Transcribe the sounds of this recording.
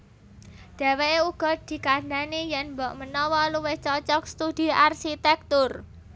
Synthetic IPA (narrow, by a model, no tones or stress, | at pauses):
d̪̥a̤weeuɡ̥ɔ̤d̪̥i̤kand̪anijɛnmbɔʔmənɔwɔluweht͡ʃɔt͡ʃɔk̚st̪ud̪̥i̤ʔarʃit̪ɛk̚t̪ʊr